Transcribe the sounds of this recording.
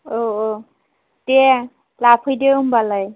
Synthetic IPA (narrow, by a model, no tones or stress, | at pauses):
oo | tɛ | lapʰojdeumbalaj